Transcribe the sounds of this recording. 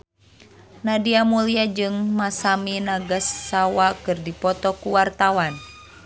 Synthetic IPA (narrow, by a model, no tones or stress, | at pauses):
nadiamuliad͡ʒɨŋmasaminaɡasːawakɨrdipɔt̪ɔkuwart̪awan